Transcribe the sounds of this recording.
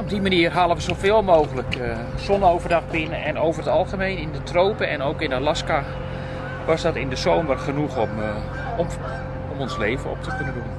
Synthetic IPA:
ɔb̚dimaniərɦaːlˠəʋəzowfɪːlˠmoːɣələk | sɔnowvərdɑxbɪnəɛnowvərətɑlˠɣəmejnɪndətroːpəɛnowkɪnalaska | ʋɔsdɔtɪndəzoːmərχənuxm | ɔmɔnsleːvənɔ̰p̚təkønədən

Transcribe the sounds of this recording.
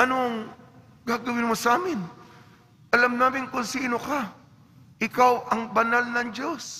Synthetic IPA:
ʔɐnoɐŋ | ɡaːɡɐwɪnmosaːmɪn | ʔɐlamnaːmɪnkʊnsiːnoka | ʔɪkawʔɐŋbɐnalnɐŋd͡ʒo̞s

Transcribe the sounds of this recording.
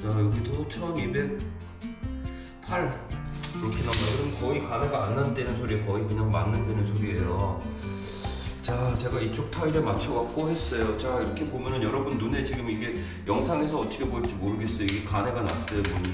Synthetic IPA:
t͡ɕajʌɡitʰot͡ɕʰʌnibe̞k̚ | pʰaɭkiɾʌkʰenamakɯɾɯmkʌikane̞ɡaːnːande̞nɯnsʰoɾiekʌikɯɲaŋma̰nːandwe̞nɯnsʰoɾie̞jo | t͡ɕat͡ɕe̞ɡait͡ɕ͈ok̚tʰaiɾemat͡ɕʰʌɡak̚k͈oɦe̞s͈ʌjot͡ɕaiɾʌkʰe̞bomjʌnɯnjʌɾʌbunːune̞t͡ɕiɡɯmiɡe̞ | jʌŋsʰaŋe̞s̬ʰʌʌt͈ʰʌ̥kʰeboɭt͡ɕ͈imoɾɯɡe̞s͈ʌjoiɡe̞kane̞ɡana̰s͈ʌjomn

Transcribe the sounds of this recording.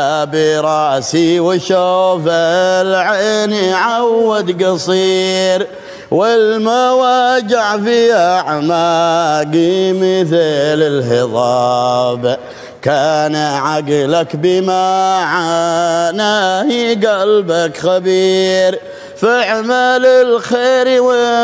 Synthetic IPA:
abiɾˤɑʔsiwɪʃofalʕeniʕawːad̪ɡɑsˤiːɾ | wɪlmawad͡ʒaʕfiaʕmaɡimɪθlɪlɦɪðˤɑːb | kanaʕaɡlakbɪmaʕanahiɡalbakxabiːɾ | faʕmalɪlxeːɾwɪ

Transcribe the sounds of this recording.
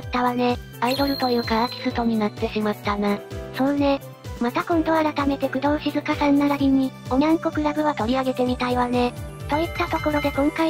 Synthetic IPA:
t̪ːaβane̞ | aid̪o̞ɾɯ̟t̪o̞jɯ̟ːkaakʲi̥sɨt̪o̞ɲ̟inat̪ːe̞ɕimat̪ːanasõ̞nne̞ | mat̪akõ̞nd̪o̞aɾat̪ame̞t̪e̞kɯ̟d̪õ̞ːɕizɨkasãnːaɡaɾʲiɲ̟io̞ɲʲãŋko̞kɯ̟ɾaɡɯ̟βat̪o̞ɾʲiaɡe̞t̪e̞mʲit̪aiβane̞t̪o̞it̪ːat̪o̞ko̞ɾo̞d̪e̞kõ̞ŋka

